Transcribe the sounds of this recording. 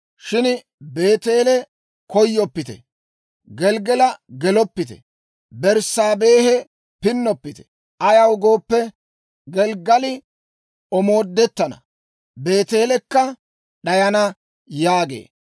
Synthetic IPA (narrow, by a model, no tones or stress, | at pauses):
ʃɪn | be̞ːt̪e̞ːlɛ | kɔjːɔpːɪt̪ɛ̰ | ɡɛlɡɛlɐɡɛlɔpːɪt̪ɛ̰ | bɛɾsaːbe̞ːhɛ | pɪnːɔpːɪt̪ɛ̥ | ʔɐjɐwɡo̞ːpːɛ | ɡɛlɡɐlɪ | ɔmo̞ːd̪ːɛt̪ːɐnɐ̰ | be̞ːt̪e̞ːlɛkːɐ | ɗɐjɐnɐ | jaːɡḛː